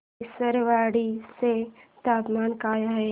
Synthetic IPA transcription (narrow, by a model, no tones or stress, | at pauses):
səɾʋaːɽiset̪aːpmaːnkaːjaɦɛː